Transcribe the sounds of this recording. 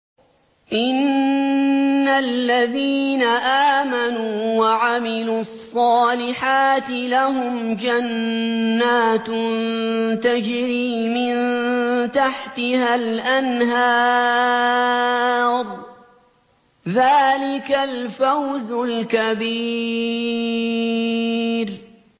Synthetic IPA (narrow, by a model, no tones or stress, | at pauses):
ʔɪn | alːaðiːnaʔaːmanuːwaʕamɪluːɑsˤːɑːlɪħaːt̪ɪlaɦʊmd͡ʒanː | aːt̪nt̪ad͡ʒɾiːmɪnt̪aħt̪ɪhalʔanɦɑː | ɾˤ | ðaːlɪkalfawzʊlkabiː | ɾ